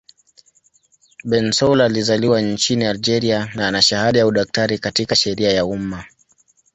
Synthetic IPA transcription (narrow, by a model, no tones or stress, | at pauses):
ɓɛnsɔlalizaliwant͡ʃiniald͡ʒɛɾianaanaʃahaɗajauɗak̚taɾikatikaʃɛɾiajauma